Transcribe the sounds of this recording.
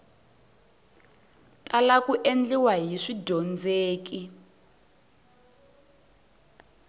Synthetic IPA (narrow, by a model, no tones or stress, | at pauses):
kʼalakuʔend͡ɮiwaɦiʂidʱɔnd͡zeːk̬i